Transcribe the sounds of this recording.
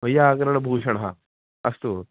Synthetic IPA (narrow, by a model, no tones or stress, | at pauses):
ɐjaːkɐɾɐɳɐbʱuːʃɐɳɐɦɐ | ɐst̪u